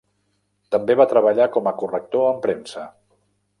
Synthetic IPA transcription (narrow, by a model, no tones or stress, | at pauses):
t̪əmbeβ̞at̪ɾəβ̞əʎakɔməkurək̚t̪oəmpɾensə